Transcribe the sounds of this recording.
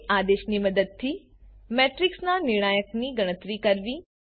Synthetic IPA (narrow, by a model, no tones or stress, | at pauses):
ʔaːd̪eːʃnimɐd̪əd̪̚t̪ʰi | mɛːʈɾɪksnanɪɽ̃aːjəkniɡɐɽ̃ət̪ɾikɐɾʋiː